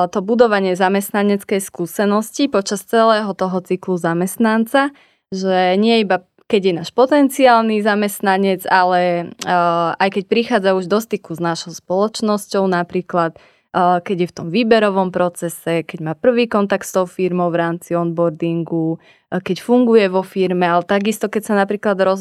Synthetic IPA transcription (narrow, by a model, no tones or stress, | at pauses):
t̪ɔbud̪ɔʋaɲɪɛzamɛst̪naɲɛt͡skɛjskuːsɛnɔscipɔt͡ʃast͡sɛlɛːɦɔt̪ɔɦɔt͡sikluzamɛst̪nant͡sa | ʒɛɲɪɛiba | kɛɟjɛnaːʃpɔt̪ɛnt͡siaːlnizamɛst̪naɲɛd͡zalɛ | ajkɛc̚pɾixaːd͡zauʒd̪ɔst̪ikuznaʃɔʊspɔlɔt͡ʃnɔscɔʊnapɾiːklat̪ː | kɛɟjɛft̪ɔmʋiːbɛɾɔʋɔmpɾɔt͡sɛsɛkɛɟmaːpr̩ʋiːkɔnt̪ak̚t̪st̪ɔʊfiɾmɔʊʋɾaːmt͡siɔnbɔɾd̪iŋɡu | kɛcfuŋɡujɛʋɔfiɾmɛalɛt̪aɡist̪ɔkɛcsanapɾiːklad̪ɾɔ